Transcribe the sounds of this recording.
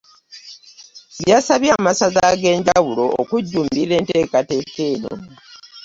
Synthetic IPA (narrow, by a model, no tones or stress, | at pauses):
βjaːsaβjaːmasazaɡe̞ːɲɟawulo̞̰okuɟːuːmbile̞ːnte̞ːkate̞ːke̞ːno̰